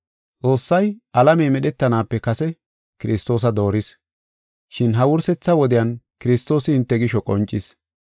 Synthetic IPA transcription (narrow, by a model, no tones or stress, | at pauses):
t͡sʼo̞ːsːɐjʔɐlɐmɛːmɛɗɛt̪ːɐnaːpːɛkɐsɛ | kɪɾɪst̪ːo̞ːs̬ɐd̪o̞ːɾɪs | ʃɪnɦɐwʊɾsɛt͡sːɐwɔd̪ɪjɐnkɪɾɪst̪ːo̞ːsɪɪnt̪ːɛɡɪʃɔkʼɔnt͡ʃʼːɪs